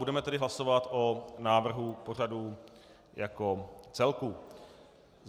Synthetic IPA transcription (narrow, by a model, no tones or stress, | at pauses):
udɛmɛt̪ɛdɪɦlaso̞vat̪ʔonaːvr̩ɦupo̞r̝adu | jakot͡sɛlku